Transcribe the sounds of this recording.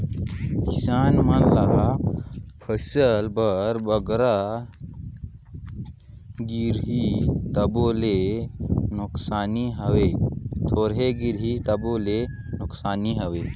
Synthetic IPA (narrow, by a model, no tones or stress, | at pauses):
kisaːnmãla | pʰəsəlbəɾbəɡɾa | ɡiɾɦit̪ɐboːle | nʊksaːniɦɐʋeːt̪ʰoːɾɦeɡiɾɦit̪ɐboːle | nʊksaːniɦɐʋeː